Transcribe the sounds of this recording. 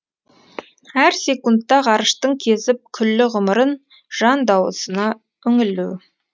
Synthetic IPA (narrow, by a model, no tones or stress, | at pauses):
æɾse̞kunt̪ːɑʁɑɾəʃt̪əɴkʲʰe̞sɪp̚kʲʰʏlːɪʁʊməɾən | ʒ̥ɑnd̪ɑwə̰sənɑ | ʏŋɪlːuw